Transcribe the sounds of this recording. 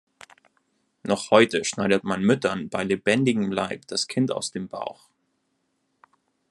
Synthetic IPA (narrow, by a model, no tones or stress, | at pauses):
nɔχhɔʏtəʃnaɪdətmanmʏtʰɐnbaɪlebɛndɪɡŋ̩laɪp̚d̥askʰɪnta̰ʊsd̥eːmba̰ʊx